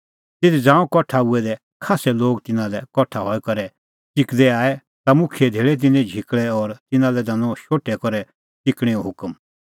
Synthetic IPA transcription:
t̪et̪id͡zãːũkɔʈʰaʊɛd̪ɛ | kʰaːsɛloːɡt̪ɪnãlɛkɔʈʰaɦɔːɛkɐɾɛ | t͡ʃɪkd̪ɛaːɛ | t̪amʊ̃kʰijɛd̪ʱeːɭɛt̪̬ɪnɛ̃d͡ʒʱɪkɭɛɔɾt̪ɪnãlɛd̪ɐ̃nɔ̃ʃoːʈːɛkɔɾɛ | t͡ʃɪkɽ̃ɛɔ̃ɦʊkəm

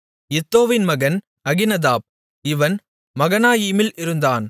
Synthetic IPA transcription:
ɪt̪ːoːʋɪnmɐɣɐn | ɐɣɪnɐðaːb̚ | ɪʋɐn | mɐɣɐnaːjiːmɪlʔɪɾɯnd̪aːn

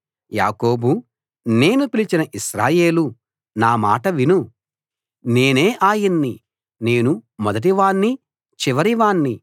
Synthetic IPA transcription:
ja̰ːko̞ːbu | ne̞ːnupilit͡ʃinɐʔiʃɾaːje̞ːlu | naːma̰ːʈɐʋinu | ne̞ːne̞ːʔaːjɐnːi | ne̞ːnumɔd̪ɐʈ̬iʋaːɳːi | t͡ʃiʋɐɾiʋaːɳːi

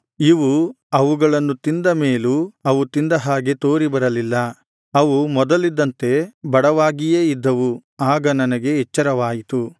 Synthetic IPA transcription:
iʋu | ɐʋuɡɐɭɐnːut̪ind̪ɐme̞ːluɐʋut̪ind̪ɐɦaːɡe̞t̪o̞ːɾibɐɾɐlilːɐ | ɐʋumɔd̪ɐlid̪ːɐnt̪e̞bɐɽɐʋaːɡije̞ːid̪ːɐʋuaːɡɐnɐnɐɡe̞ɛt͡ʃːɐɾɐʋaːjit̪u

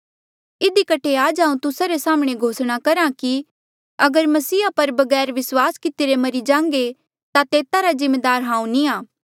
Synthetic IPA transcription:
ɪd̪ikɐʈʰːeaːd͡ʒaːũt̪ʊsaɾesaːmɽ̃eɡʱoːsɽ̃akɐɾãki | ɐɡəɾmɐsiːapɐɾbɐɡɛːɾʋɪswaːskɪt̪iɾemɐɾid͡ʒãːŋɡe | t̪at̪eːt̪aɾazɪ̃mːeːd̪aːɾɦãːũnĩaː

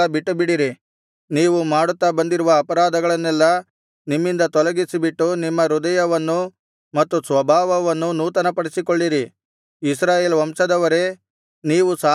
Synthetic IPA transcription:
ɐbiʈːubiɽiɾi | niːʋumaːɽut̪ːabɐnd̪iɾuʋɐːpɐɾaːd̪ɐɡɐɭɐnːɛlːɐ | nimːind̪ɐt̪ɔlɐɡisibiʈːunimːɐɾud̪ɐjɐʋɐnːu | mɐt̪ːusʋɐbʱaːʋɐʋɐnːunuːt̪ɐnɐpɐɽisikoɭːiɾi | isɾaːjeːlʋɐmʂɐd̪ɐʋɐɾe̞ | niːʋusa

